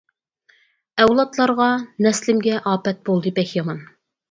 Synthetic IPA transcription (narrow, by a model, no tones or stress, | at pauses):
ɛwlˠɑt̪lˠɑɾʁɑnɛslɪmɡʲɛʔɑːpɛt̪̚bolˠd̪ɨpɛkjɑmɑn